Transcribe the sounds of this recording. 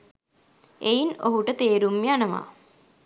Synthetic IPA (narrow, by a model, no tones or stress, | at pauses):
ʔejino̰ɦuʈət̪eːɾumːianəʋa̰ː